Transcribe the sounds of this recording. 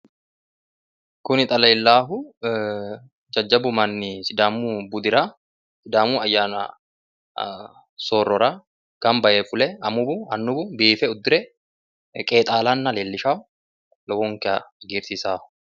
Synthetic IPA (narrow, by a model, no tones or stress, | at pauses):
kʊnɪt̪ʼɐlɐːlːaːɦʊ | d͡ʒɐd͡ʒːɐbʊmɐnːɪsɪd̪aːmuːbʊd̪ɪɾa | sɪd̪aːmuːɐjːaːnɐ̰ | soːrːɔɾa | kɐmbɐʔeːfʊlɛɐmʊbʊɐnːʊbʊbiːfɛʊd̪ːɪɾɛ | kʼe̞ːt̪ʼaːlaːnːɐleːlːɪʃaːʊ | lɔwoŋkɛɐɡiːɾsisaːhʊ̥